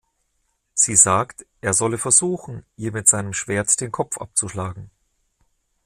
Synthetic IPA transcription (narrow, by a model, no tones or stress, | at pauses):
z̥iːzaːktʔeːɐzɔləfɛɐzuːxn̩ʔiːɐmɪtz̥aɪnəmʃv̥eːɐtd̥eːnkʰɔpp͡fʔa̰p̚t͡suʃlaːɡŋ̩